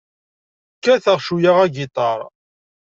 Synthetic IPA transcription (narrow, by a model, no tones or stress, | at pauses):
kːæθəʁʃujaʁæɡit̪ˤɑɾˤ